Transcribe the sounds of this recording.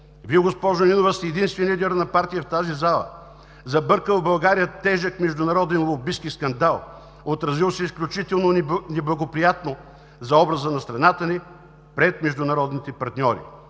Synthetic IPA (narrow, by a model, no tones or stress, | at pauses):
viɛɡospɔʒoninovəst̪ɛɛd̪inst̪vɛnlʲid̪ɛɾənɐpaɾt̪ijəft̪azizalˠə̰ | zɐbɤɾkəlˠbɐlˠɡaɾijət̪ɛʒəkmɛʒd̪ʊnɐɾɔd̪ɛnlˠobiskiskɐnd̪alˠ | ot̪ɾɐzilˠsɛisklʲut͡ʃit̪ɛlˠnonnɛblˠɐɡopɾijat̪no | zɐɔbɾɐzənɐst̪ɾɐnat̪əni | pɾɛt̪mɛʒd̪ʊnɐɾɔd̪nit̪ɛpɐɾt̪nʲɔɾḭ